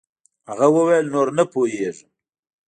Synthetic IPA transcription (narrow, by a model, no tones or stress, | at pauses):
haɣawəwajlnoɾnəpoɦeʐ